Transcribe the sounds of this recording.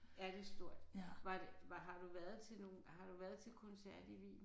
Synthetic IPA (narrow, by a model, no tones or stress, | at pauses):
æɐd̥e̝sd̥o̝ɐ̰d̥ʋɑ̈d̥eʋɑ̈ɦɑ̈d̥uʋæɐð̩ˠt͡sʰe̝lno̝ːnhɑ̈ɾ̥uʋæːɐð̞ˠt͡sʰe̝lkʰɔ̽nsæɐ̰d̥iʋḭː